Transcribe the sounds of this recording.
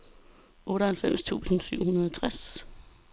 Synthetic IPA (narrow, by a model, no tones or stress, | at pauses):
ʔɔ̽ːɾəhælfem̰st͡sʰṵsn̩syʊhunɐðˠɒt͡sʰʁas